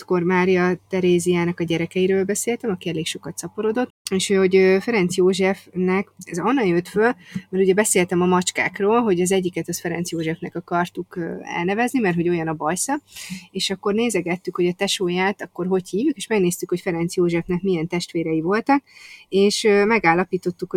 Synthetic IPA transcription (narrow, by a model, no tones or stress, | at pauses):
t̪ko̞rmaːɾijɒt̪ɛɾeːziaːnɒkɒɟɛɾɛkɛjiɾøːlbɛseːlt̪ɛmɒkiɛleːkʃo̞kɒt̪sɒpoɾo̞d̪o̞t̪ːeːʃhoo̞ɟøfɛɾɛnt̪sjoːʒɛfnɛkɛzɒnːɒjøt̪følmɛɾuɟɛbɛseːlt̪ɛmɒmɒt͡ʃka̰ːkroːlɦo̞ɟɒzɛɟːikɛt̪ɒsfɛɾɛnt̪sjoːʒɛfnɛkɒkɒrt̪ukøɛ̰lnɛvɛznimɛrt̪ɦo̞ɟo̞jɒnɒbɒjsɒeːʃɒkːo̞rneːzɛɡɛt̪ːykho̞ɟɒt̪ɛʃoːjaːt̪ɒkːo̞rɦo̞chiːvjukeːʃmɛɡneːst̪ykho̞cfɛɾɛnt̪sjoːʒɛfnɛkmijɛnt̪ɛʃt̪ʋeːɾɛjivo̞lt̪ɒkeːʃømɛɡaːlːɒpiːt̪o̞t̪ːuk